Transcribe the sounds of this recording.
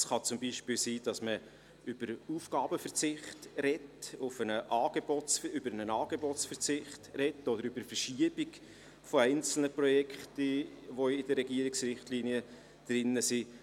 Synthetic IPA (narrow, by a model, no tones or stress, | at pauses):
sχɑt͡sʊmbiːʃpɪːlsiːd̥ɑsmə | ʏb̥əɾuːfɡ̥ɑːbəfəɾt͡sɪχtɾɛtʊfənəʔɑːɡ̥ebosʏbəɾənənɑːɡ̥ebɔtt͡sfəɾt͡sɪχtrɛtːɔdəɾʏbəɾfəɾʃiəbɪɡ | foæɪnt͡sl̩nəprɔjɛkχtiʋoɪd̥əɾɛɡiəɾɪksɾɪχtliːniə | d̥ɾɪnːəsi